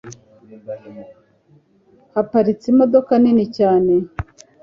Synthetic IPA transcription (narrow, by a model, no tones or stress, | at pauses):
hapaɾit͡simo̞do̞kaninicaːne